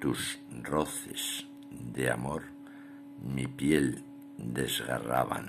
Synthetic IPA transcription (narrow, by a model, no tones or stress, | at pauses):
t̪usroθes | d̪eamoɾ | mipjel | d̪e̞zɣa̰ra̰βa̰n